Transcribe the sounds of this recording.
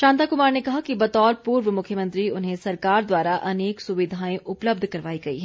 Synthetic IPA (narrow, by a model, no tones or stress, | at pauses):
ʃãːnt̪akʊmaːɾnekɐɦakibɐt̪ɔːɾpuːɾʋəmʊkʰːjəmɐ̃nt̪ɾiʊnɦẽsɐɾkaːɾd̪waːɾaʔɐneːksʊʋɪd̪ʱaːẽʔʊpləb̚d̪ʱkɐɾʋaːiɡɐḭɦɛː